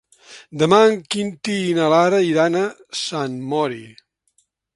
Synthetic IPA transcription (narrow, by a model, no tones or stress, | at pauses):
d̪əmaəŋkint̪iːnəlaɾəiɾanə | sanmɔɾi